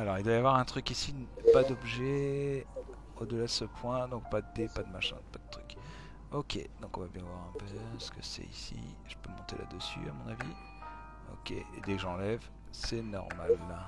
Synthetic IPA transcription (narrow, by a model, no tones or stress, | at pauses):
alɔʁild̪wajavwaʁɛ̃t̪χykisipad̪ɔbʒɛ | od̪əlad̪əsəpʰwɛ̃d̪ɔ̃k̚pad̪əd̪epad̪əmaʃɛ̰̃pad̪ət̪χyk | ɔkʲʰḛd̪ɔ̃kɔ̃vabjɛ̃vwaʁɛ̃pøsə̥kəsɛ̰isḭ | ʒ̥əpømɔ̃t̪ela̰d̪əsy̰amɔ̃navi | ɔ̰kʲḛed̪ɛkəʒəɑ̃lɛv | sɛnɔ̰ʁma̰lːa